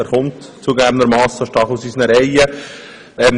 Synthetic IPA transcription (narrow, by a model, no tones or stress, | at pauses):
æːɾχʊmtt͡suɡæːbənd̪əɾmɑːsəʃtɑːχusiːsnəɾɛjə | ɛn